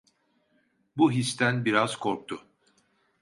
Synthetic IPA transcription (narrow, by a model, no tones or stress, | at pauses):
buɦist̪ʰænbiɾaz̥kʰoɾk̚t̪ʰʊ